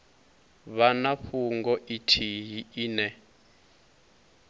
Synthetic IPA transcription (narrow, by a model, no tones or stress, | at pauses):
βanaɸuŋɡɔʔitʰiɦiiːnɛ